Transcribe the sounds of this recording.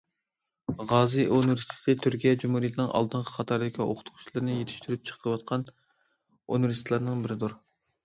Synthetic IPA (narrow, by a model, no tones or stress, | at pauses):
ʁɑːzɨʔonɾist̪ʰɪ̥t̪ɪt̪ʰyɾkʲijɛd͡ʒumhuɾijet̪ʰɪnɨŋʔɑ̰lˠd̪ɨɴqʰɑ̥qʰɑt̪ʰɑɾd̪ɪkʲʰio̰qʰʊ̥t̪ʰʊqʰʊ̥t͡ʃʰlˠɨɾnɨjet̪ʰɪ̥ʃt̪yɾyp̚t͡ʃʰə̥qʰəwɑt̪̚qʰɑn | o̰nɾist̪lˠɑɾnɨŋbɪɾɪd̪uɾ